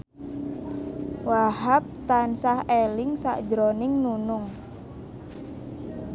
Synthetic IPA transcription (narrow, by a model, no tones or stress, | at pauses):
waɦap̚t̪ansahelɪŋsa̰ʔd̥d͡ʒɾonɪŋnunʊŋ